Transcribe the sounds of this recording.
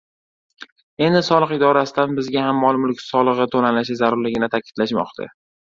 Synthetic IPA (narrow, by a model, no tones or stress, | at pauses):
e̞nd̪ɪsɒlˠɨqɪd̪ɒɾasɪd̪anbɪzɡʲahamːɒlˠmʊlɪkʲsɒlˠɨʁɨt̪ʰonalaʃɪzaɾʊɾlɪɡʲɪnɪt̪ʰakʲʰɪ̥d̪̥laʃmɒ̰qt̪ʰa̰